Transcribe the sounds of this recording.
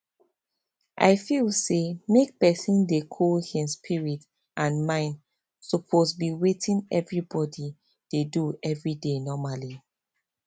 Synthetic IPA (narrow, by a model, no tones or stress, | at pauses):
ʔa̰ɪfilsemek̚pɛsĩndekʰɔlhĩnspʰiɹit | ʔãnmãɪ̃nd | sɔpʰosbiwetʰĩnɛvɹibɔdi | d̥eduɛvɹidenɔmali